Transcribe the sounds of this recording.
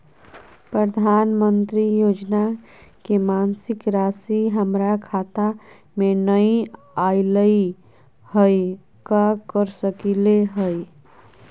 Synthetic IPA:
pɾəd̪ʱanmənt̪ɾijod͡ʒna | kemansikɾasiɦəmɾakʰat̪a | menəi | ailəi | həj | kakəɾsəkileɦəj

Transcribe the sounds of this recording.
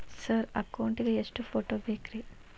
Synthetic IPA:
sɐɾɐ̰kːɐwɳʈiɡeesʈupʰoːʈoːbʱekɾi

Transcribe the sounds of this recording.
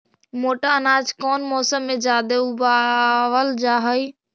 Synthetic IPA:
moːʈaənaːd͡ʒkɔːnmɔːsəmːẽd͡ʒaːd̪eubaʋəld͡ʒaːɦəiː

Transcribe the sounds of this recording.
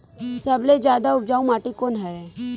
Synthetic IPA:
sɐbled͡ʒjaːd̪aʊp̚d͡ʒaːũmaːʈikoːnɦɐɾɛ̃

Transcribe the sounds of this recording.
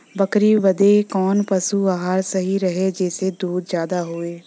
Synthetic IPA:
bəkɾiːʋəd̪ekɔːnpəsuːaɦaːɾsəɦiɾəɦeːd͡ʒeːsed̪uːd̪zjaːd̪aːɦoːeː

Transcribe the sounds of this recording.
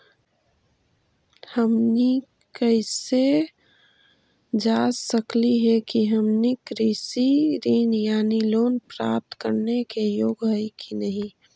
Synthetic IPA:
həmni | kəɪse | d͡ʒasəkliɦɛkiɦəmnikɾisiɾiːnjaːniloːnpɾa̰p̚t̪kəɾnekejoːɡɦəjkʰinəɦĩ

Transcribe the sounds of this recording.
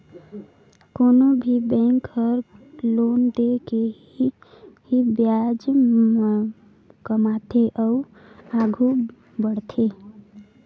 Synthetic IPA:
konobʱibɛ̃ŋkəɾlond̪eke | hibjad͡ʒ | kəmat̪ʰeʔəu | aɡʱu | bəɽt̪ʰe

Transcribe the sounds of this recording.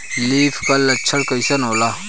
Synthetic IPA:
liːfʰkalːɐt͡ʃʰɐɽkɐjsɐnoːla

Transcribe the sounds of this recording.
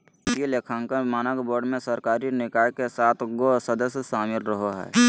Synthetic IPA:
ɪsieleːkʰãŋkəmaːnəkboːɾɖmẽsəɾkaːɾinɪkaːjkesaːt̪ʰɡosəd̪əsjəʃaːmɪlɾəɦoɦɛ̰ː

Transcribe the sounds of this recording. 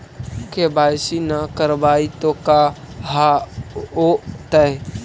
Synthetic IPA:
kebaːjsinakəɾbaːit̪oka | ɦa | ot̪ə

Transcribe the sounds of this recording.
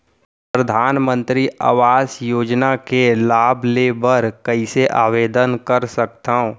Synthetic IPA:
ppɾəd̪ʱaːnmə̃nt̪ɾiʔa̰ːʋaːsjoːd͡ʒnakelaːbʱleːbəɾkəiseʔaːʋeːd̪ənkəɾsək̚t̪aːõ

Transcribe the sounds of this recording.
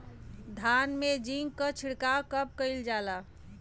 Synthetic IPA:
d̪ʱanmed͡ʒiŋɡkət͡ʃʰiɽkakəp̚kəɪld͡ʒala

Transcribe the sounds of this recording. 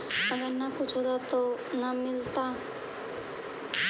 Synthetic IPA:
ɐɡəɾnakʊt͡ʃʰɦoːt̪at̪onamɪlt̪a

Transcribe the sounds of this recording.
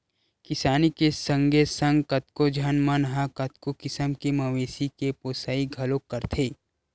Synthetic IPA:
kɪsaːnikesɐ̃ŋɡesɐ̃ŋɡkɐt̪kod͡ʒʱɐnmɐnɦakɐt̪kokɪsəmkemɐʋeːsikepoːsaːiɡʱɐlõkːɐɾt̪ʰeː

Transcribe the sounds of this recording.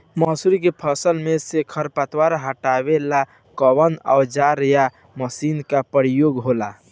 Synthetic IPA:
mɔːsuɾikepʰəsəlmesekʰəɾpat̪waɾɦəʈabela | kəbəna̰ʊd͡ʒaɾja | məsinkapəɾijoɡɦola

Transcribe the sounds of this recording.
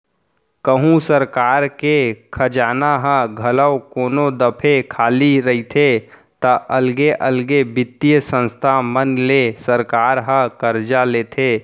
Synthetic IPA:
kəɦũsəɾkaːɾkekʰəd͡ʒaːnaɦə̃ɡʱɐləwkoːnod̪əpʰekʰaːliɾəit̪ʰe | t̪əʔəlɡeʔəlɡebɪt̪ːijəsə̃nst̪ʰamənlesəɾkaːɾɦə̃kəɾd͡ʒaleːt̪ʰeː

